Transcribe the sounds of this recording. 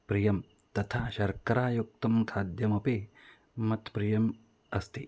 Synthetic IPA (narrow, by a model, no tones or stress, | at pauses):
pɾijɐm | t̪ɐt̪ʰaːʃɐɾkɐɾaːjuk̚t̪ɐmkʰaːd̪jɐmɐpe | mɐt̪pɾijɐm | ɐst̪i